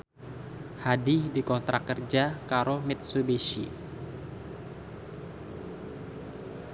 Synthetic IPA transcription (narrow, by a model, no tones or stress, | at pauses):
hadihdikɔnt̪ɾakərd͡ʒakaɾomɪt̪̚subeʃḭ